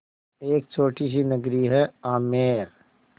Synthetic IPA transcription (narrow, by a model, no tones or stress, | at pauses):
eːkt͡ʃʰoːʈis̬inɐɡɾiɦɛaːmeːɾ